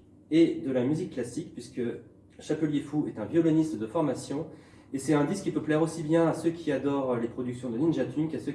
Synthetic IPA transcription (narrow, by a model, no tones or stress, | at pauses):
ed̪əlamyzikːlasikpɥiskə | ʃapøljefuɛt̪ɛ̃vjɔlɔnist̪d̪əfɔʁmasjɔ̃ | esɛt̪ɛ̃d̪iskːipøplɛʁosibjɛ̃asøkʲʰiad̪ɔʁølepχɔd̪yksjɔ̃d̪əlinʒat̪ʰynkasø